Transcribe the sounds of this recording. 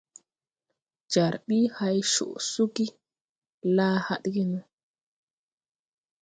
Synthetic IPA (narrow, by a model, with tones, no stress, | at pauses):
d͡ʒa˨ɾɓi˦ha˦jʃṵ˨ʔsu˦ɡi˦ | laː˦ha˦ɗɡi˦nu˦